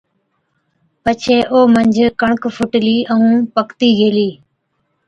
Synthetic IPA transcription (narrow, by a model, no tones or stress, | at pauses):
pət͡ʃʰeːʔoːməɲd͡ʒʱkəɳ̃kfʰʊʈliːəũːpəkt̪iːɡʱeːliː